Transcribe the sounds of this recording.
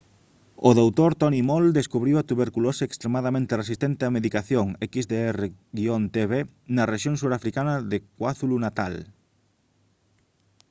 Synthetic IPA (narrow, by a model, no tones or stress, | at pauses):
oðowt̪oɾt̪ɔnimold̪eskuβɾiwat̪uβeɾkuloseːkst̪ɾemaðamẽnt̪eresist̪ent̪ɪameðikaθjoŋɛkizðeɛreɣiont̪eβenɐreʃjoŋsuɾafɾikanɐðekwaθulunat̪al